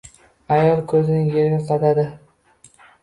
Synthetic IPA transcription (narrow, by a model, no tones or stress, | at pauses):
ajɒlˠkʰɵzɪnɪŋjeɾɡʲaqʰɑt̪ad̪ɪ